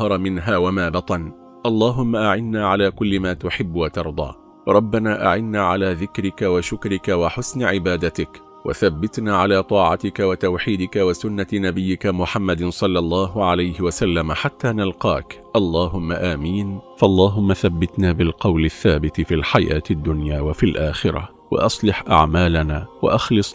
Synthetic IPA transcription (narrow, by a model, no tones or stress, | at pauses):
ɑɾˤɑmɪnɦaːwamaːbɑt̪ˤɑn | ʔɑlˤːɑːɦʊmːaʔaʕɪnːaːʕalaːkʊlːɪmaːt̪ʊħɪbːwat̪ɑɾˤd̪ˤɑ̰ː | ɾˤɑbːanaːʔa̰ʕɪnːaːʕalaːðɪkɾɪkawaʃʊkɾɪkawaħʊsnɪʕɪbaːd̪at̪ɪk | wa̰θabːɪt̪naːʕalaːt̪ˤɑːʕɑt̪ɪkawat̪awħiːd̪ɪkawasʊnːanabɪjːɪkamʊħamːad̪sˤɑlːɑlˤːɑːɦʊʕalajhɪwasalːamaħat̪ːaːnalqɑːkʔɑlˤːɑːɦʊmːaʔaːmiːnfɑʔɑlˤːɑːɦʊmːaθabːɪt̪naːbɪlqɑwlaθːaːbɪt̪fiːlħaja̰ːt̪ad̪ːʊnjaːwafilʔaːxɪɾˤa̰ | wa̰ʔɑsˤlɪħʔa̰ʕmaːlanaːwa̰ʔɑxlɨsˤ